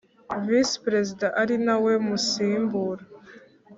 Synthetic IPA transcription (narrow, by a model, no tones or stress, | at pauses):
vispɾe̞zidaʔaɾinawe̞musiːmbuɾa